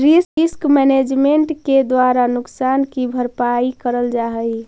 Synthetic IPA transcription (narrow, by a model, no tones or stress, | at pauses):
ɾisɪskmɛned͡ʒmeɳʈked̪waɾanʊksankibʱəɾpaikəɾəld͡ʒaɦə